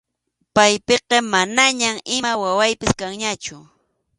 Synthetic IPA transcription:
pajpeqɑmanaɲamɪmawawajpɪskaŋɲat͡ʃʊ

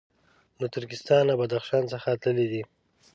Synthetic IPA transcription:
not̪ʊɾkɪst̪ɑnlabad̪axʃɑnsəxat̪ləlid̪i

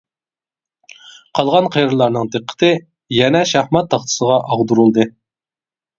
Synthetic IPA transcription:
qʰɑlˠʁɑnqʰejɾɨlˠɑɾnɨŋd̪ɨqʰːə̥t̪ʰɨ | jɛnɛʃæhmɑt̪ʰːɑχt̪ʰɨ̥səʁɑʔɑʁd̪uɾulˠd̪ɨ

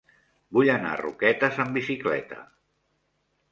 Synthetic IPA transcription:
buʎəna̰rṵkɛt̪əzəmbisiklɛ̰t̪ə̰

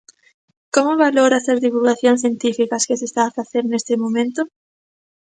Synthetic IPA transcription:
komoβaloɾasazðiβulɣaθjõŋsθjẽnt̪ifikɐskɪsest̪aːfaθeɾnest̪ɪmõmẽnt̪ʊ

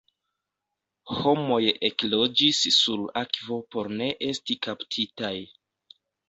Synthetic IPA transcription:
ho̞mo̞jeklo̞d͡ʒisːulakvo̞po̞ɾne̞ʔe̞stikaptʰitaj

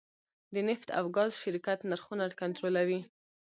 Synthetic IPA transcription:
d̪ənɪft̪ʰa̰wɡɑzʃɪɾkat̪naɾxunaɽkant̪ɾolawi

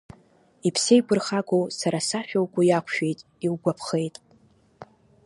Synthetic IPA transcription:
ipʰsejpʰʼɨrχakʰʷʼowsaɾasaʃᶣawkʷʼʊjakʷʰʃᶣe̞jtʼ | ilɡʷapʰχe̞jtʼ

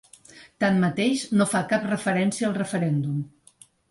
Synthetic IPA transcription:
t̪ammət̪eʃnofakap̚rəfəɾɛnsiəlˠrəfəɾɛnd̪um

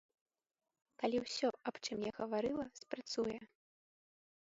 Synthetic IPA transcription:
kalʲiwsʲɔapt͡ʂɨmjaɣɐvaɾɨlˠɐspɾat̪sujɛ

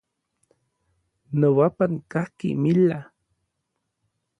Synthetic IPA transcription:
nowapankahkḭmila

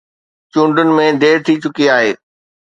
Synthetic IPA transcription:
t͡ɕũːɳɖənɪ̆mẽd̪eːɾt̪ʰit͡ɕʊkiaːɦeː

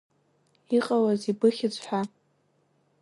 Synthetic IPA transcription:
iqʼawazibɨχʲɪt͡sʷħʷa

